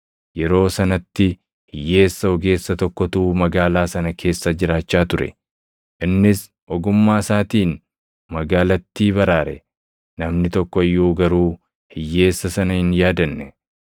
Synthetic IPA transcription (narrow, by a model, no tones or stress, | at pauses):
jɛɾo̞ːsɐnɐt̪ːɪ | hɪjːe̞ːsːɐɔɡe̞ːsːɐt̪ɔkːɔt̪uːmɐɡaːlaːsɐnɐkʰe̞ːsːɐd͡ʒɪɾaːt͡ʃːaːt̪ʊɾɛ̰ | ʔɪnːɪs | ʔɔɡʊmːaːsaːt̪iːn | mɐɡaːlɐt̪ːiːbɐɾaːɾɛ | nɐmnɪt̪ɔkːɔɪjːoːɡɐɾuː | hɪjːe̞ːsːɐsɐnɐhɪnjaːd̪ɐnːɛ